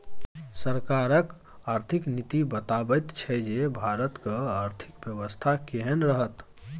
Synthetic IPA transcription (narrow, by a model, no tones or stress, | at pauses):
səɾkaɾək | aɾt̪ʰiknit̪ibət̪abət̪t͡ʃʰɛd͡ʒebʱaɾət̪kəaɾt̪ʰi̥kbjəbəst̪ʰakeɦənɾəɦət̪